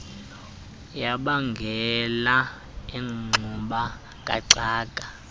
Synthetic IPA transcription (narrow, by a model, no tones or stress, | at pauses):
jaɓaŋɡʱɛla | eŋ͡ǁʱuɓa | kʼa̰ǀaːkʼa